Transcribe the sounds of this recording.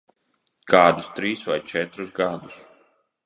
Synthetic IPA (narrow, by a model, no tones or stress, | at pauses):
kaːd̪ust̪ɾiːsva̰jt͡ʃɛt̪ɾusɡad̪us